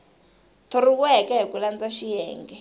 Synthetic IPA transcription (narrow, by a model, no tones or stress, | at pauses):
t̪ʰɔɾiwɛkɛɦikuland͡zaʃijɛːŋɡɛ